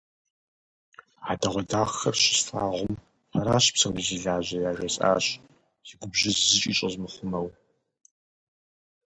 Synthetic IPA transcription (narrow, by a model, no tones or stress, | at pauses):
adɐʁʷɔdaːxɐrʃɪ̥sfaːʁʷʊm | ɐɾaːɕpsɐmɨziɮaːʑɐjaːʒʷɐsʼa̰ːɕ | z̥iɡʷʊbʒɐzzɨt͡ʃʼiːt͡ʃʼɐzmɨχʷʊmɐw